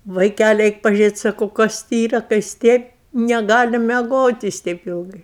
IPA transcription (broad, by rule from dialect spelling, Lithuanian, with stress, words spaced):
ʋɐɪˈkʲælʲɪ ˈɛɪk pɐʒʲʊˈrʲeːtʲ ˈsɑːkɐʊ ˈkɐs tʲɪ iːrɐ kɐ jɪs ˈtʲeːp nʲɛˈɡɑːlʲɪ mʲɛˈɡoːtʲ jɪs ˈtʲɛɪp ˈɪlˠɡɐɪ